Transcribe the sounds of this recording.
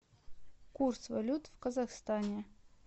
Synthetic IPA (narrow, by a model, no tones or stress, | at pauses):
kursvalʲut̪vkəzaxst̪anʲe